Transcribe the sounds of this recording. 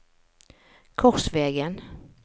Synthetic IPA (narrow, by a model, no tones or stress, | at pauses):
kʰɔsvɛːɡən